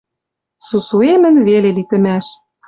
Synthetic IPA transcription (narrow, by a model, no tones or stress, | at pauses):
susuemɘ̆nβelelit̪ɘ̆mæʃ